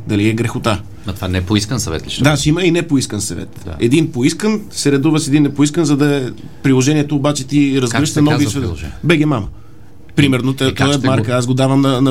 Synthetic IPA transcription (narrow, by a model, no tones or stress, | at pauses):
d̪ɐliɛɡɾɛxot̪a | ɐt̪ovanɛpoiskənsɐvɛ̰t̪liʃd̪aʃiməinɛpoiskənsɐvɛ̰t̪ɛd̪inpoiskənsɛɾɛd̪uvəʃɛd̪inːɛpoiskənzɐd̪ɐɛ | pɾilˠoʒɛniɛt̪oːbat͡ʃɛt̪iɾɐzɡlʃt̪ɐnɔvisvɛʒbɛɡʲɛmamə | pɾimɛɾnot̪t̪ɔɛmaɾkəaz̬ɡod̪avɐmnɐnɐ